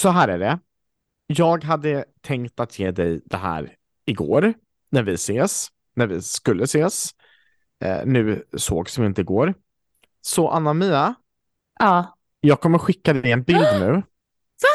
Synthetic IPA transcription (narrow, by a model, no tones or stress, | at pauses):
sɔɦæːɾæːɖɛ | jɑːɡɦad̪ːət̪ʰɛŋkt̪at̪ʰjeːd̪ɛjd̪̥ɛɦæ̰ːɾ | ɪɡo̰ːɾ | næɾvɪseːs | næɾvɪskɵlːəseːs | nʉ̟ːsoːɡsɪɪnt̪əɪɡoːɾ | sɔʔa̰nːamyːa | ʔɑː | jɑːɡ̚kʰɔmːəɾɧɪkːad̪ɛjɛnbɪld̪nʉ̟ː